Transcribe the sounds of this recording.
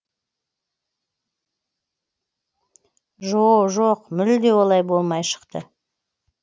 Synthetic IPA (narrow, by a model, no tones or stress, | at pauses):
ʒoʒoqmʏld̪e̞wo̞lˠɑjbo̞lˠmɑjʃə̥qt̪ə